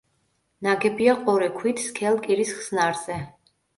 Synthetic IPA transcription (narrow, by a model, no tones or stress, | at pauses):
naɡɛbiaqʼɔɾɛkʰwit̪ʰskʰɛlˠkʼiɾisχsnaɾz̥ɛ